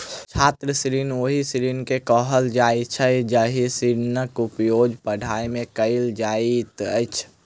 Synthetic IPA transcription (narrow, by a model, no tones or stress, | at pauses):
t͡ʃʰaːt̪ɾəsɾinoɦisɾinkekɔɦəld͡ʒait͡ʃʰəd͡ʒaɦisiɾnəkʊpjoːd͡ʒpəɖʱaːimẽkəɪld͡ʒaːit̪ət͡ʃʰ